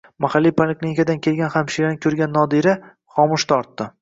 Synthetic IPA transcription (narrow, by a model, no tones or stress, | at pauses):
mahalːijpʰalekʲlinɪkʲad̪ankʲʰelɡʲanhamʃiɾanɪkʲʰɵɾɡʲanːɒd̪iɾa | χɒmʊʃt̪ʰɒɾt̪ːɪ